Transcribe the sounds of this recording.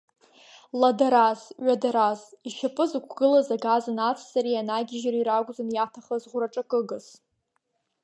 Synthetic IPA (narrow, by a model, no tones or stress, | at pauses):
ladaɾazɥʷadaɾaziʃapʼɨzɨkʷʰɡ̥ɨlazaɡazɨnat͡sʰʼsaɾianaɡʲɪʒariɾaɡʷʼzanjatʰaχazʁʷʊraʈ͡ʂʼakʼɨɡɨs